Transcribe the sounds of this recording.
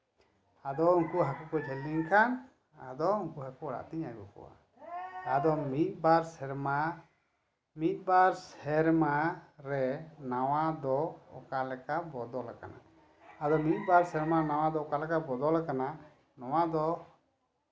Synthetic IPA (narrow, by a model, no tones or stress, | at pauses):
ad̪ɔuŋkuɦakukɔd͡ʒʱɛliŋkʰan | a̰d̪ɔuŋkuɦakuɔɽa̰t̪iɲajbɔ̰kɔ̰wa̰ | ad̪ɔmit̪̚ˀbaɾsɛɾma | mit̪̚ˀbaɾsɛɾmaɾɛnawad̪ɔɔ̰kalɛkabɔd̪ɔlaka̰na̰ | ad̪ɔmit̪̚ˀbaɾsɛɾmaɾɛnaw̃ad̪ɔɔkalɛkabɔd̪ɔlakana | nɔwad̪ɔ